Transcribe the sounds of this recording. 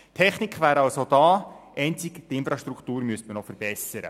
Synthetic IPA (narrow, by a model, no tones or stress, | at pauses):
tʰːɛχnikχʋæːɾɑlsod̥ɑːʔɛɪnt͡siktɪnfɾɑʃtɾukʰtuːɾmyəstmənɔfəɾb̥ɛsəɾə̰